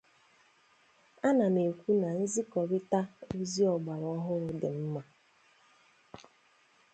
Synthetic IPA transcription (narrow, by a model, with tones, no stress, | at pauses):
a˦na˨me˨kʷu˦na˨n̩˦zi˦kɔ˨ɾɪ˦ta˦u˦zi˦ɔ˨ɡ͡ba˨ɾɔ˦ɦʊ˦ɾʊ˨dɪ˨m̩˦ma˨